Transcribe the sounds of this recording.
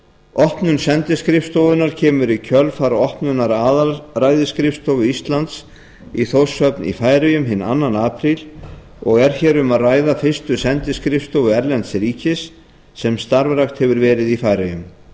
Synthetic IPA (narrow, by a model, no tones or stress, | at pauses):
ɔhpnʏnsɛnt̪ɪskɾɪfst̪owvʏnaɾ̥cʰɛːmʏɾicʰœlfaɾɔhpnʏnaɾaːðarajðɪskɾɪfst̪owvʏist̪lant̪s | iθowsœpnḭfaːjɾajʏmɦɪnːa̰nːanaːpʰɾil | ɔɣɛɾ̥çɛːɾʏmaðraːjðafɪ̥st̪ʏsɛnt̪ɪskɾɪfst̪owvʏɛɾlɛnt̪sɾiːcɪsː | ɛmst̪aɾvɾaxt̪hɛvʏɾvɛːɾɪðifajɾɪjʏm